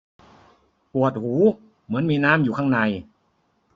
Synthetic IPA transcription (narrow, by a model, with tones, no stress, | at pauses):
pu˨˩ət̪̚huː˩˦ | mɯ˩˦ənmiː˧naː˦˥mjuː˨˩kʰa˥˩ŋna˧j